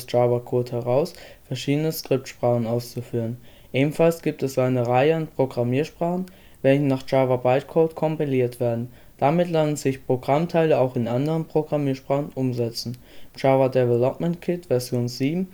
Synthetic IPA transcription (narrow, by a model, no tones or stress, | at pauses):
sʒ̥aːvakʰoːthɛʁaʊsfɛɐʃiːdənəskʁ̥ɪp̚tʃpʁ̥aːχn̩aʊst͡sufyːʁ̞ən | ʔeːbm̩falsɡ̥iːp̚tɛsʔaɪnəʁaɪəanpʁ̥oɡʁamiːɐʃpʁ̥aːχn̩ | vɛlçənaːχʒ̥aːvabaɪtkʰoːtkʰɔmpiliːɐtv̥eːɐdn̩ | d̥amɪtlanənz̥ɪçpʁ̥oɡʁamtʰaɪləaʊxɪnʔandəʁənpʁ̥oɡʁamiːɐʃpʁ̥aːχn̩ʔʊmzɛt͡sn̩ | ʒ̥aːvadɛvɛlɔpmɛntkʰɪtv̥ɛɐzjoːnziːbm̩